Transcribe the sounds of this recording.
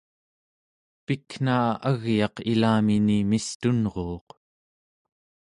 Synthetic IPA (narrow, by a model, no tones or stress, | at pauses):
pikn̥aːaɣjɑqilaːminimist̪unʁoːq